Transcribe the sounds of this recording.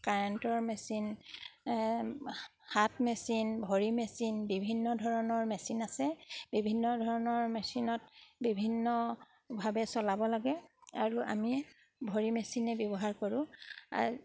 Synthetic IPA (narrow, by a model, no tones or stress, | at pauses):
kaɹɛntɔɹmɛsin | hatmɛsinbʱoɹimɛsinbibʱinːɔdʱɔɹɔnɔɹmɛsinasɛbibʱinːɔdʱɔɹɔnɔɹmɛsinɔt̚bibʱinːɔ | bʱabɛsɔlabɔlaɡɛaɹuʔa̰mi | bʱoɹimɛsinɛbjɔbɔɦaɹkoɹʊ̃a̰